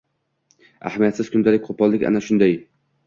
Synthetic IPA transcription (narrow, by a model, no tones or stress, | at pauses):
a̰hamijat̪sɪzkʰʊnd̪alɪk̚ʲqʰopʰɒlˠlːɪkʲa̰naʃʊnd̪aj